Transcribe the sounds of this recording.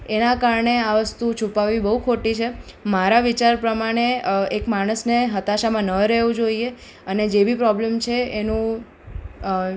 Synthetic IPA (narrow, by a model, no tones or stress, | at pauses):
enakaɾɳeaʋəst̪ut͡ʃʰupaʋibəɦukʰoʈit͡ʃʰemaɾaʋit͡ʃaɾpɾəmaɽ̃eekmaɽ̃əsneɦət̪aʃamãnəɾəɦʋũd͡ʒoie | əned͡ʒebʱipɾɔblemt͡ʃʰeenũ